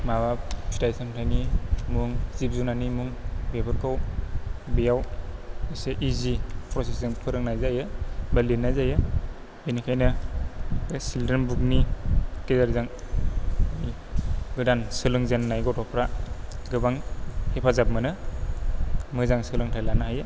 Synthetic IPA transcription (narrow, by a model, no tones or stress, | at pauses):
maβapʰitajsantʰajnimuŋzip̚zunanimuŋbebʰɯɾkʰaw | bijaweseʔizipʰɾɔsiszɯŋpʰɯɾɯŋnajzajɯbalinːajzajɯ | enikʰajna | sildənbuk̚nikezaɾzaŋ | i | ɡɯdansɯlɯŋzenːajɡɔtɔpʰɾaɡɯbaŋhepʰazap̚mɯnɯ | mɯzaŋsɯlɯŋtʰajlanahajɯ